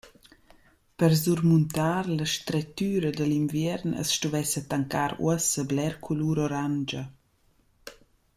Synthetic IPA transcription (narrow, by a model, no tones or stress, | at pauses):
pəɾzuɾmunt̪aːɾləʃt̪ɾɛt̪yːɾəd̪əlinvjɛɾnə̰sʃtuvɛsət̪aŋkaːɾṵəsəblɛɾkʰuluːɾɔɾand͡ʒə